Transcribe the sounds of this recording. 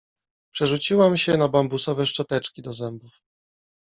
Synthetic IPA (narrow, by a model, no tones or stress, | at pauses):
pʂɛʐut͡ɕiwamɕɛnabambusɔvɛʂt͡ʂɔt̪ɛt͡ʂkʲid̪ɔzɛmbuf